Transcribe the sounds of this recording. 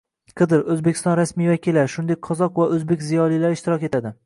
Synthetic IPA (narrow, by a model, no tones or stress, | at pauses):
qʰɨd̪ɨɾɵzbekʲʰɪst̪ɒnɾasmijvakʲɪlːaɾʃʊnd̪ek̚ʲqʰɒzɒqvaʔɵzbekʲzijɒlˠijlaɾɪʃt̪ɪɾɒkʲe̞t̪ʰad̪ɪ